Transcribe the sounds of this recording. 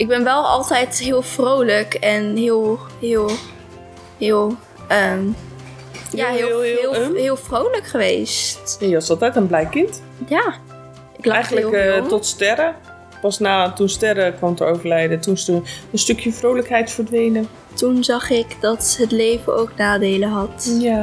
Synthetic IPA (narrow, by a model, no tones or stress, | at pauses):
ʔɪɡ̚bɛnʋɛlˠɑ̰lˠtɛjtɦɪːlˠfrowləkɛnɦɪːlˠɦɪːlˠ | hɪːlˠ | əm | jjaɦɪɦɪːlˠfrowləkχəʋejsjajəɑsɑlˠtɛjtənblɛjkɪnt | jaː | ɪklɛjlətɔtstɛɾə | pɑsnaːtunstɛɾəkʋɑmtəowvəɹlɛjdətunstəənstøkʰjəfrowləkɦɛjtfəɹdʋejnə | tunzɑχɪkdɑtɦətlejvəno̰wknaːdejləɦɑtja